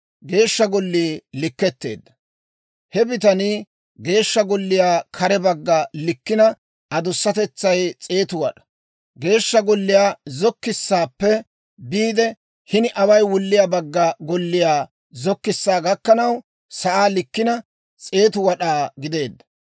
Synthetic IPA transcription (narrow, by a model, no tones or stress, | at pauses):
ɡe̞ːʃːɐɡɔlːiːlɪkːɛt̪ːe̞̰ːd̪ːɐ̥ | hɛbɪt̪ɐniː | ɡe̞ːʃːɐɡɔlːɪjaːkʰɐɾɛbɐɡːɐlɪkːɪnɐ | ʔɐd̪ʊsːɐt̪ɛt͡sːɐjt͡sʼe̞ːt̪ʊwɐɗɐ̥ | ɡe̞ːʃːɐɡɔlːɪjaːzɔkːɪsːaːpːɛ | biːd̪ɛ | hɪnɪʔɐwɐjwʊlːɪjaːbɐɡːɐɡɔlːɪjaː | zɔkːɪsːaːɡɐkːɐnɐw | sɐʔaːlɪkːɪnɐ | t͡sʼe̞ːt̪ʊwɐɗaːɡɪd̪e̞ːd̪ːɐ̥